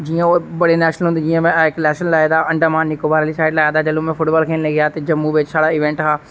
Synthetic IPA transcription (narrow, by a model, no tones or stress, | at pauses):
d͡ʒiːãːoːbəɽeːnɛːʃnəlɦʊnd̪ːd͡ʒijãːmɛ̃klɛːʃənlaːjd̪aːʔəɳɖaːmaːnːɪkoːbaːɾaːliːsaːɪɖlaːjaːd̪aːd͡ʒəlõːmɛ̃ːpʰʊʈbaːlkʰeːnleːɡɪjaːt̪eːd͡ʒəmːũːʋɪt͡ʃsaːɽaːɪʋɛ̃ɳʈɦaː